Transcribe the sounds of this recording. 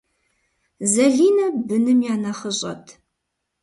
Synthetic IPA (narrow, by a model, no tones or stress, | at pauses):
zɐɮiːnɐbɨnɨmjaːnɐχəɕʼɐ̰tʰ